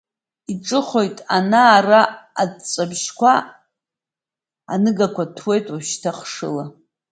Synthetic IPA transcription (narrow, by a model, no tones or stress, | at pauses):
iʈ͡ʂʼɨχo̞jtʼanaːraːdt͡sʼabʒkʷʰa | a̰nɨɡakʷʰatʰwe̞jtʼwaʃtʰaχʂɨla